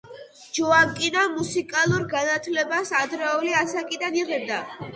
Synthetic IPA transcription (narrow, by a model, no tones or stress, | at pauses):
d͡ʒɔakʼinamusikʼalˠuɾɡanat̪ʰlɛbasad̪ɾɛɔliasakʼid̪aniʁɛb̚d̪a